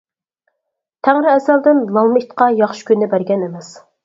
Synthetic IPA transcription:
t̪ʰæŋɾɪɛsæld̪ɪnlˠɑlˠmɨit̪qɑjɑχʃɪ̥kʲynːɪbæɾɡʲɛnemɛs

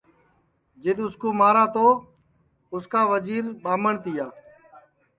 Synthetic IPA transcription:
d͡ʒɪd̪ʊskoːmaːɾaːt̪oː | ʊskaːʋəziːɾɓaːməɳt̪ɪjaː

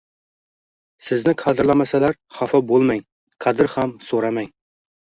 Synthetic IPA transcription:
sɪznɪqʰɑd̪ɨɾlˠɑmɑsælæɾχɑfɑbolˠmɛŋ | qʰɑd̪ɪɾχæmsoɾɑmɛŋ

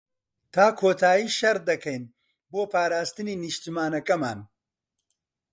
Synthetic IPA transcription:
t̪ʰaːkʰoːt̪ʰaːjiːʃɐɾd̪ɐkʰɐjn | boːpʰaːɾaːst̪ɨniːnɨʃt̪imaːnɐkɐma̰ːn

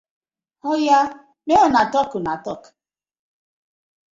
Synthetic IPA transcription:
ɔja | meɔnatɔkʊnatɔk

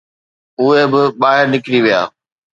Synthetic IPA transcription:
ʊɦebɪɓaːɦɪɾnɪkɽiʋija̰ː

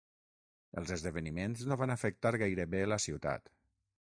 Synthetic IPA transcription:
ə̰lˠzəzðəβ̞ənimenznoβanəfək̚t̪aɾɣajɾəβeləsiwt̪a̰t̪

